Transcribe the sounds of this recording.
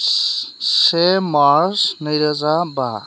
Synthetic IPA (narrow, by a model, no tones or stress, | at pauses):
semaɾsnʌjɾəzaba